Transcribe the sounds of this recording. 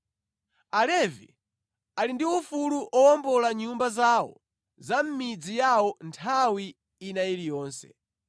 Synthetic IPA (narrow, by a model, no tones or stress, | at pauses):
alɛvḭ | alindiufuluʔɔwɔmbɔlaɲumbazawɔ̰ | zam̩mid͡zijawɔntʰawiː | nailijɔːnsɛ̰